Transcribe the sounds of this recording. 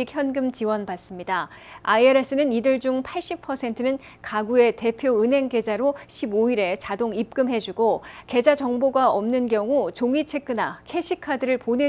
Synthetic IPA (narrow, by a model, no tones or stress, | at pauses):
içʰjʌnɡɯmt͡ɕiwʌnbas͈ɯmɲida | aieɾe̞s͈ɯnɯnidɯɭd͡ʑuŋpʰaɭɕ͈ipʰʌsʰe̞ntʰɯnɯn | kaɡue̞te̞pʰjoɯnɦe̞ŋke̞d͡ʑaɾoɕʰiboiɾe̞t͡ɕadoŋip̚k͈ɯmɦe̞d͡ʑuɡoke̞d͡ʑad͡ʑʌŋboɡaʌmnɯnkjʌŋut͡ɕoŋit͡ɕʰe̞k̚k͈ɯnakʰe̞ɕʰikʰadɯɾɯɭponɦe